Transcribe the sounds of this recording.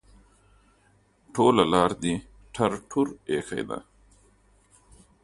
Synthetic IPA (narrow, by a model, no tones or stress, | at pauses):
ʈʰolalɑːɾd̪i | ʈʰaɾʈʰuɾexa̰jd̪a̰